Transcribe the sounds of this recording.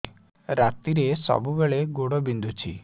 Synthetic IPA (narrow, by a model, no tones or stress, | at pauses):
ɾat̪iɾesɔ̰bubeɭeɡoɽɔbind̪ʱut͡ʃʰḭ